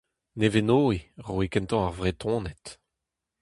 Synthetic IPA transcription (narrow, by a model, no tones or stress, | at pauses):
nevenoːiʁoikɛ̃nt̪ɑ̃aʁvʁet̪ʰɔ̃ːnɛt̪